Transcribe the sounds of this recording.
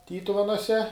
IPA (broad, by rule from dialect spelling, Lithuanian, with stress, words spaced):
ˈtʲiːtʊʋʲɛnuɔsʲɛ